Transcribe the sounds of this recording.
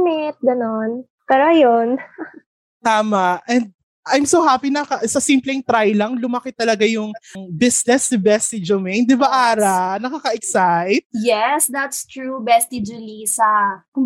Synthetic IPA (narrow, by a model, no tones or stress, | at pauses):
nɪt̪̚ɡɐnon | pɛːɾoʔɐjon | t̪aːmaʔʔɛnd̪̚ | ʔajmsowhapinɐkɐʔsɐsimplɛŋt̪ɾajlɐŋlʊmɐkɪt̪ːɐlɐɡajʊŋŋbɪsnɛsːɪbɛst̪id͡ʒʊmejnd̪ɪbaʔaːɾɐnɐkakɐʔɛksajt̪̚jɛsd̪at̪st̪ɹubɛst̪id͡ʒʊliːsɐkʊ